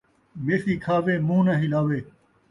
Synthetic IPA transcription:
meːsiːkʰaːʋeːmũːnãːɦɪlaːʋeː

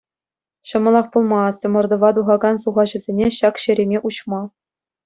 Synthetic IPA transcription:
ɕɤ̆mɤ̆lˠɑχpulˠmɑstʲɤ̆mɤ̆rd̪ɤ̆ʋɑd̪uʁɑɡɑnsuʁɑʑɘ̆zʲenʲeɕɑkɕɘ̆ɾʲemʲeʔuɕmɑ

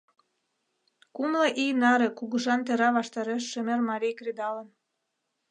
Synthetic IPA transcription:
kumlɑʔijnɑɾĕkuɣəʒɑnt̪eɾɑβɑʃt̪ɑɾeʃːømermɑɾʲijkrid̪ɑlən

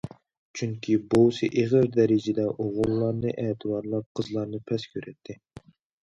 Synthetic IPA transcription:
t͡ʃʰyŋkʲʰibowsɨʔeʁəɾd̪ɛɾɪd͡ʒɪd̪ɛʔoʁʊlːˠɑɾnɨʔɛːt̪ʰɨbɑɾlˠɑp̚qʰəzlˠɑɾnɨpʰɛskʲʰøɾʔɛt̪ʰːɪ

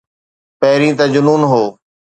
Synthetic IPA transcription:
pɛɦɪɾĩːt̪aːd͡ʑʊnuːnɦoː

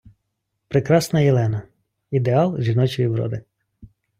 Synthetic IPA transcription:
pɾɪkɾɑsnɐjɛlˠɛnɐ | id̪eɑlˠʒʲinɔt͡ʃɔjiʋɾɔ̰d̪ɪ

